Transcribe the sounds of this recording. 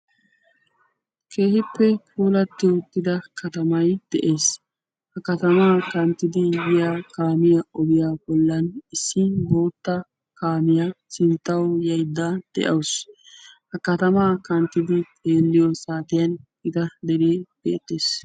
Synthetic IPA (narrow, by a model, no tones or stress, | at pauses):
kʰe̞ːhɪpːɛkʰuːlɐt̪ːɪʊt̪ːɪd̪ɐkɐt̪ɐmɐjd̪̥ɛʔe̞ːs | hɐkɐt̪ɐmaːkɐnt̪ːɪd̪ɪjɪjaːkaːmɪjaʔɔbɪjaːbɔlːɐnɪsːɪbo̞ːt̪ːɐ | kaːmɪjasɪnt̪ːɐwjɐjd̪ːad̪̥ɛ̰ʔɐws | hɐkɐt̪ɐmaːkɐnt̪ːɪd̪ɪtʼe̞ːlːɪjɔsaːt̪ɪjɐn | ɪt̪ɐd̪ɛɾeːb̥ḛːt̪ːe̞ːs